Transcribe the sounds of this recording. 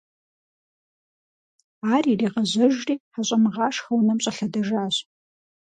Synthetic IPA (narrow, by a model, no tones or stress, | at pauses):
aːririːʁɐʑɐʒriːħaɕʼɐmɨʁɑːʂxɐwnɐmɕʼɐɬɐdɐʒaːɕ